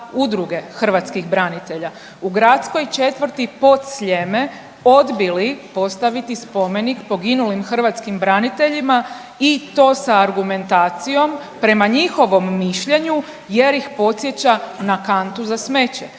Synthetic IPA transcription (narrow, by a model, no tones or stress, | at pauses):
ud̪ɾuɡe̞xr̩ʋat̪skixbɾanit̪e̞ʎa | uɡɾat̪sko̞jt͡ʃe̞t̪ʋəɾ̩t̪ipo̞t̪sʎeme̞ | o̞d̪bilipo̞st̪aʋit̪ispo̞me̞nikpo̞ɡinulimxr̩ʋat̪skimbɾanit̪e̞ʎima | it̪o̞ːsaːɾɡume̞nt̪aːt̪sijo̞m | pɾe̞maɲixo̞ʋo̞mːiʃʎe̞ɲu | je̞ɾjixpo̞t̪sje̞t͡ɕanakant̪uzasme̞t͡ɕḛ